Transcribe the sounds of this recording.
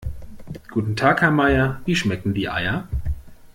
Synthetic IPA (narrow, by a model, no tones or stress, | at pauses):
ɡ̥uːtn̩tʰaːkhɛɐmaɪɐviːʃmɛkŋ̩diːʔa̰ɪɐ